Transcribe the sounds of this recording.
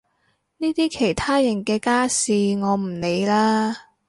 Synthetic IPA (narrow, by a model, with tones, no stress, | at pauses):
niː˥t̪iː˥kʰe˨˩jt̪ʰaː˥jɐ˨˩ŋkɛː˧kaː˥siː˨ŋɔː˨˧m̩˨˩ne˨˧jlaː˥